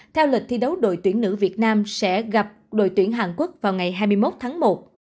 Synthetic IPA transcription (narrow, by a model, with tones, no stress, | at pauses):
t̪ʰɛ˧wli˨˩k̚t̪ʰi˧ɗə˨˦wɗo̰˧˨jt̪wi˧˩ənnɨ̰˧˥vi˨˩ət̚naː˧msɛ̰˧˥ɣa˨˩p̚ɗo̰˧˨jt̪wi˧˩ənɦaː˨˩nku˦˥k̚vaː˨˩wŋa˨˩jɦaː˧jmɨ˧jmo˦˥t̚t̪ʰaː˨˦ŋmo˨˩t̚